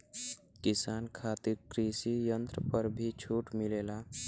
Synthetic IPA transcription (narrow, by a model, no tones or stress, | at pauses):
kisankʰat̪iɾkɾisijənt̪ɾəpəɾbʱit͡ʃʰuʈmilela